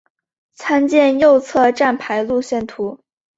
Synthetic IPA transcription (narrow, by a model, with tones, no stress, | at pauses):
t͡sʰa˥nt͡ɕjɛ˥˧njo˥˧ʊt͡sʰɤ˥˧ʈ͡ʂa˥˩npʰa˧˥ɪlu˥˧ɕjɛ˥˩nt̪ʰu˧˥